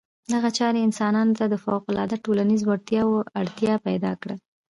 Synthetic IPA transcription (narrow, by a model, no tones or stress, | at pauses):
d̪aɣat͡ʃɑɾeɪnsɑnɑnot̪ad̪əfawqʊlɑ̰d̪aʈolanizwaɽt̪jɑwoaɽt̪jɑpajd̪ɑ̰kɽa